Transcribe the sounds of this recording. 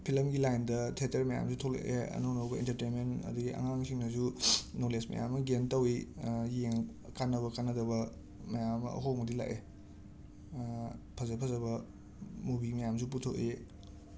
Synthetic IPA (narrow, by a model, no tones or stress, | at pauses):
pʰilɐmɡilajndɐtʰeteɾmɐja̰msutʰolḛʔeɐ̰nownowɡɐḭntɐɾtenmentɐ̰duɡiɐ̰ŋaŋsʰiŋnɐzunolesmɐ̰ja̰mɐɡentɐwijeŋ | kanːɐβɐkanːɐdɐβɐ | mɐjamɐɐ̰ɦowmɐdila̰ʔe | pʰɐzepʰɐzɐbɐ | mubimɐjamsup̬utʰoʔe